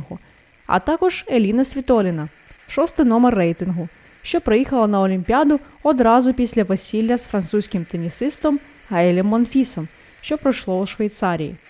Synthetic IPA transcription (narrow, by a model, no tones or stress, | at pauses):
ɦʊ | ɐ̰t̪ɑkɔʒ̥elʲinɐsʲʋʲit̪ɔlʲɪnɐ | ʃɔst̪ɪjnɔmɛrːɛjt̪ɪnɦʊ | ʃt͡ʃɔpɾɔjixɐlˠɐnɐɔlʲimʲpʲiad̪ʊɔd̪ɾɑzʊpʲisʲlʲɐʋesʲilʲːɐzfɾɐnt̪susʲkʲɪmt̪enʲisɪst̪ɔm | hɐɛlʲɛmːɔnfʲisɔm | ʃt͡ʃɔpɾɔjʃlˠɔuʃʋejt̪sɑɾʲijḭ